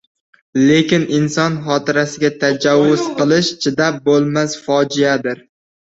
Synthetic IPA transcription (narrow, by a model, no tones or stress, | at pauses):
le̞kʲɪnɪnsɒnχɒt̪ʰɪɾasɪɡʲat̪ʰad͡ʒawːʊz̥qɨlˠɪʃt͡ʃʰɪd̪ap̚bolˠmasfɒd͡ʒɪjad̪ɪɾ